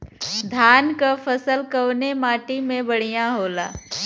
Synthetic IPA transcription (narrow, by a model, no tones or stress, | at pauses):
d̪ʱaːnkafʰəsəlkəwnemaːʈimẽbəɽ̤ijãɦoːla̰ː